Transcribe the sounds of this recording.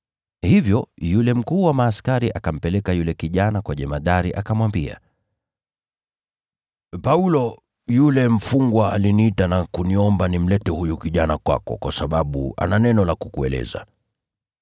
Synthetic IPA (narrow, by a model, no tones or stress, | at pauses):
hivjɔjulɛm̩kuːwamaːskaɾiʔakam̩pɛlɛkajulɛkiʄanakwaʄɛmaɗaɾiʔakamwambia̰ | paulɔ | julɛm̩fuŋɡwaalinitanakuniɔmbanim̩lɛtɛhujukiʄanakwa̰kɔ̰kwasaɓaɓṵa̰nanɛnɔlakukuɛ̰lɛ̰za̰